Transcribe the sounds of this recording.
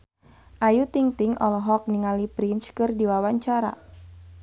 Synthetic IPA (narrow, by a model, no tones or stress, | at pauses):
ʔajut̪iŋt̪iŋʔɔ̰lɔɦɔk̚niŋalipɾint͡ʃkɨrdiwawaɲt͡ʃaɾa̰